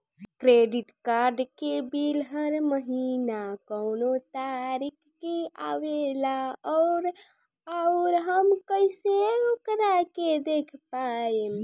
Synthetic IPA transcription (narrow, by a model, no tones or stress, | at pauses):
kɾeɖiʈkaɾɖkebilɦəɾməɦinakəʊnot̪aɾikʰːeaʋelaɔɾ | aʊɾɦəmkəɪseokɾaked̪ekʰpae